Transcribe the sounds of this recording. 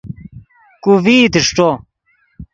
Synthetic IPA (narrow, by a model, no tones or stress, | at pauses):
kuviːd̪iʂʈ͡ʂo